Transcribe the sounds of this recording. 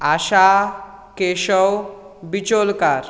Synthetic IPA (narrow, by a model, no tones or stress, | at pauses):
aʃa | keʃɔw | bit͡ɕolkaɾ